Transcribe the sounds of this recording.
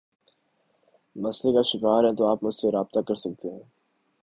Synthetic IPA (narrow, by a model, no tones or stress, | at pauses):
mɐslekaʃɪkaːɾɦɛ̃t̪oaːpmʊd͡ʒseɾaːb̚t̪akɐɾsɐk̚t̪eɦɛ̃ː